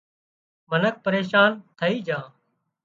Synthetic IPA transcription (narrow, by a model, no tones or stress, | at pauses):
mənək̚pəɾeːʃaːnt̪ʰəiːd͡ʒãː